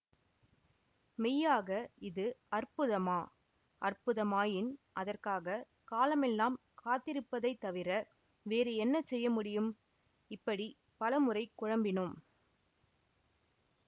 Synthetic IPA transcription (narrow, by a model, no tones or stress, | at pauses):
mɛjːaːɣɐɪðɯɐrpɯðɐmaː | ʔɐrpʊðɐmaːjɪnʔɐðɐrkaːɣɐ | kaːlɐmɛlːaːm | kaːt̪ːɪɾɯpːɐðɐɪt̪ːɐʋɪɾɐ | ʋeːɾɯɛnːɐsɛjːɐmʊɽɪjɯm | ɪpːɐɽi | pɐlɐmɯrɐɪkːʊɻɐmbɪnɯm